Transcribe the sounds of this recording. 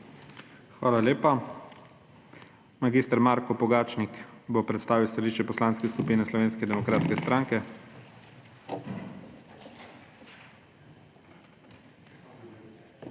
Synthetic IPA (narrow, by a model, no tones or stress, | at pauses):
xʋaːlaleːpa | maɡiːst̪ɛɾmaːɾkɔpɔɡaːt͡ʃnikbopɾɛt̪st̪aːʋiwst̪aliʃt͡ʃɛpɔslaːnskɛskupiːnɛslɔʋeːnskɛd̪ɛmɔkɾaːt̪skɛst̪ɾaŋkɛ